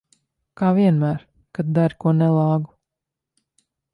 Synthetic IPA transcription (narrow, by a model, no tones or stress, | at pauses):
kaːviɛnmæːɾ | kad̪̚d̪aɾʲkuɔnɛlˠɑːɡu